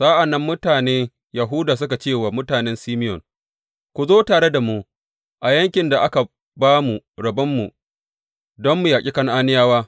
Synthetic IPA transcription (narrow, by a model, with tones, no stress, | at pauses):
saː˦ʔa˨nːɐ˦mːʊ˦taː˨neː˦ | jɐ˨ɦʊ˦daː˨s̬ʊ˦ka˨t͡ʃeː˦˨waː˨mʊ˦taː˨nɛ˦nsiː˦mɪ˦jɔ̰˨ŋ | kʷu˨zoː˦taː˨ɽe˦da˨mu˦ | ʔa˨jɐ˦ŋkʲɪ˨nda˨ʔa˦ka˨ | baː˦mu˨ɾɐ˨bɐ˦mːu˨ | dɔ˦mːu˨jaː˨kʲʼi˦kɐ˦ŋʔaː˦nɪ˦jaː˦waː˦